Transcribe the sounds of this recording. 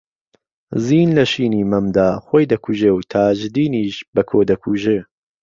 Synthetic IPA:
ziːnlɐʃiːniːmɐmd̪aːxoːjd̪ɐkʰuʒeːwt̪ʰaːʒd̪iːniːʃbɐkʰoːd̪ɐkʰuʒɨ

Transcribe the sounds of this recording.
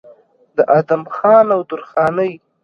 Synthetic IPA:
d̪əʔad̪amxɑnawd̪ʊɾxɑnəj

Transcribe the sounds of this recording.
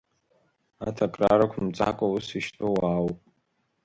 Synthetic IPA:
atʰakʼraɾakʷʰmt͡sʼa̰kʷʼawusiʃtʼowaːwpʼ

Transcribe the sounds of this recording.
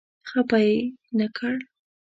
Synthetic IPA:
xapajnakʰəɽ

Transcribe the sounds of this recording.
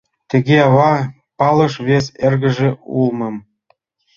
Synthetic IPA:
t̪ɘ̆ɣeɑβɑ | pɑlɤ̆ʃβeserɣə̆ʒĕṵlmɤ̆m

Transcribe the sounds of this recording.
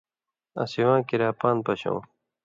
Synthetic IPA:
ɐ̰siwãːkiɾaːpaːnpɐɕõ̰ː

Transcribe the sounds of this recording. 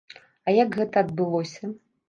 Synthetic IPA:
ɐjakɣɛt̪ɐːd̪̚bɨlˠɔsʲɐ

